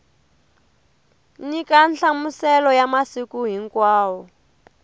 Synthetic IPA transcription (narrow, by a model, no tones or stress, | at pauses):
ɲikanɬamusɛlɔjamasikuɦiŋkwaːwɔ